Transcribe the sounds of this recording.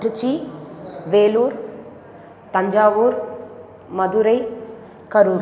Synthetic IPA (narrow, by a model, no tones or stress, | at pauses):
ʈut͡ʃi | ʋeːluːɾ | t̪ɐɲd͡ʒaːʋuːɾ | mɐd̪uɾɐj | kɐɾuːɾ